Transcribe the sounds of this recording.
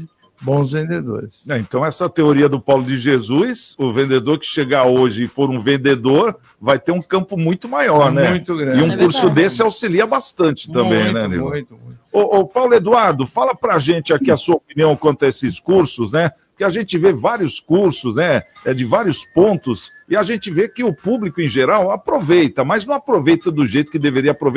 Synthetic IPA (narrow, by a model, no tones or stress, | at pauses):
bõw̃zvẽnd̪ed̪o̰ɾɪsɛẽnt̪ɐ̃w̃ɛsɐt̪eoɾiɐd̪ʊpawlʊd͡ʒɪʒezujsʊvẽnd̪ed̪oɾkɪ̥ʃeɡaoʒɪːfoɾũvẽnd̪ed̪oɾ | vajt̪eɾũkɐ̃mpʊmũj̃t̪ʊmajɔɾnɛũj̃t̪ʊɡɾɐ̃ɪũkuɾsʊd̪esɪawsiliɐbast̪ɐ̃nt͡ʃɪ̥t̪ɐ̃mbẽj̃nɛlḭlũt̪ʊũʊʔpawlʊed̪uaɾd̪ʊfalɐpɾaʒẽnt͡ʃɪakiɐsuɐopiniɐ̃w̃kwɐ̃nt̪ɐesɪskuɾsʊznɛ | ʊkɪaʒẽnt͡ʃɪvevaɾiʊskuɾsʊznɛ | ɛd͡ʒɪvaɾiʊspõnt̪ʊs | ɪaʒẽnt͡ʃɪvekɪʊpublikʊẽj̃ʒeɾawapɾovejt̪ɐmɐznɐ̃w̃apɾovejt̪ɐd̪ʊʒejt̪ʊ̥kɪd̪eveɾiɐapɾove